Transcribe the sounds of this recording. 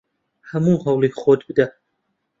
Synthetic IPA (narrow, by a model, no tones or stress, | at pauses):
hɐmuːɦɐwlˠekχod̪bɨd̪a